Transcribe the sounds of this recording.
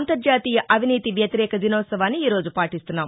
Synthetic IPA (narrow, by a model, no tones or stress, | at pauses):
nt̪ɐɾd͡ʒaːt̪iːjɐʔɐʋiniːt̪iʋjɐt̪iɾɛːkɐd̪inɔːt̪sɐʋaːnːiiːɾo̞ːd͡ʒupaːʈist̪unːaːm